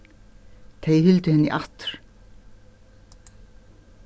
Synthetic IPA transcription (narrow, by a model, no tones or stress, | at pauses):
t̪ʰejhʏlt̪ʏhɛnːɪ̰ʔaht̪ɾ̥